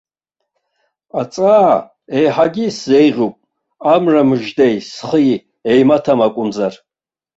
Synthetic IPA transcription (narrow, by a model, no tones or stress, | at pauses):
at͡sʼaː | ejħaɡʲiszejʁʲupʼ | amramɨʒdejsχəj | ejmatʰamakʷʼʊnd͡zar